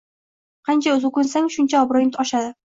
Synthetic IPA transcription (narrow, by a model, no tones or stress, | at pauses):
qʰɑnt͡ʃʰaɵzʊkʊnsaŋʃʊnt͡ʃʰaɒbɾɒjnɪt̪ʰɒʃad̪ɪ